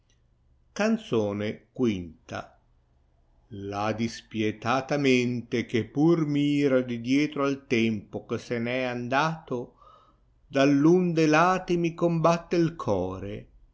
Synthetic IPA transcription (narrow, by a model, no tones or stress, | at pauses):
kant̪soːnekwint̪a̰ | lad̪ispjɛt̪aːt̪ament̪ekepːurmiːɾad̪id̪jɛːt̪ɾoalt̪ɛmpokesenɛand̪aːt̪o | d̪alːund̪elaːt̪imikombat̪ːeilkʰɔːɾe